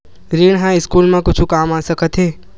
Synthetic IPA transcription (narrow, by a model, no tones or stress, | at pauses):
ɾiːɳɦãɪskuːlmẽkʊt͡ʃʰukaːmaːsəkət̪ɦeː